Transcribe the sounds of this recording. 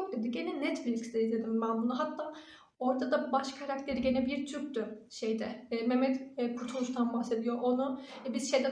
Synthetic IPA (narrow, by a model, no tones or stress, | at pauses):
k̚d̪ed̪iɟe̞nɛnɛt̪filʲksd̪ɛizd̪ed̪imbænbunuɦat̪ʰːaː | o̞ɾd̪ad̪abaʃkʰaɾak̚t̪ʰe̞ɾiɟe̞nɛbiɾt̪ʰyɾkt̪ʊ | ʃejd̪ɛmemɛt̪ːpʰut̪ʰuuʃt̪ʰanbahse̞d̪ijoʔonuɛbiz̥ʃe̞jd̪ɛ